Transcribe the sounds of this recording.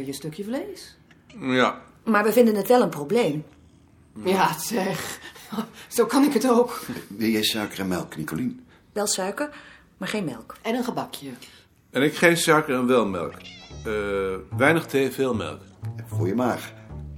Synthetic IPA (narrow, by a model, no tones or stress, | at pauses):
ɪjəstøkjəfleːs | ja | maɹʋəvɪndənətʋɛlˠənprobleːm | jasɛx | soːkanɪkətoːkʋɪlˠjɛjsœɥkərɛnmɛ̰lˠknikolin | ʋɛlˠsœɥkər | maɹχeːnmɛlˠkɛnənχəbɑkʰjə | ɛnɪkχensœɥkərənʋɛlˠmɛ̰lˠk | ʋɛjnəχtʰeːfeːlˠmɛ̰lˠkfoːjəmaːx